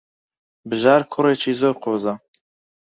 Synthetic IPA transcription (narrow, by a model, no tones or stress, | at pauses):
bɨʒɑːɾkʰʊɾeːt͡ʃʰiːzoːɾqʰoːza